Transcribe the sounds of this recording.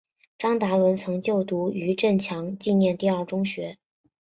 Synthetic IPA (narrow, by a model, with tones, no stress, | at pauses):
ʈ͡ʂɑ˥ŋt̪a˧˥lwə˧˥nt͡sʰɤ˧˥ŋt͡ɕjo˥˩ʊt̪u˧˥y˧˥ʈ͡ʂə˥˩nt͡ɕʰjɑ˧˥ŋt͡ɕi˥˧njɛ˥˧nt̪i˥˧ɐ˞˥˩ʈ͡ʂʊ˥ŋɕɥɛ˧˥